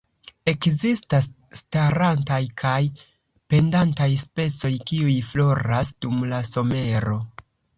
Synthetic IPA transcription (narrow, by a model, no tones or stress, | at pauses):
e̞kzistasː | taɾantajkʰaj | pe̞ndantajspe̞t͡so̞jkiujflo̞ɾasd̥umlaso̞me̞ɾo̞